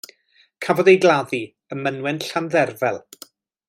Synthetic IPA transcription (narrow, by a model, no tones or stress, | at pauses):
kʰavɔdejɡlˠaði | əmənwɛnɬanðɛrvɛlˠ